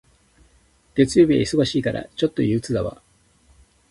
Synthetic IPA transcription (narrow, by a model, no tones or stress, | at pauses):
ɡ̥e̞t͡sɨjo̞ːbʲiɡa̰iso̞ɡoɕiːkaɾa̰t͡ɕo̞t̪ːo̞jɯ̟ːt͡sɨd̪aβa̰